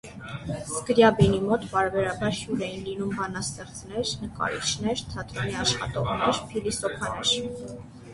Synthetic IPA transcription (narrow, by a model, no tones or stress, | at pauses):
skəɾjɑbinimɔt̪pɑɾbɛɾɑbɑɾhjuɾɛjinlinumbɑnɑst̪ɛχt͡snɛɾnəkɑ̰ɾḭt͡ʃʰnɛɾt̪ʰɑt̪ɾɔniɑʃχɑ̰t̪ɔʁnɛɾpʰilisɔpʰɑnɛɾ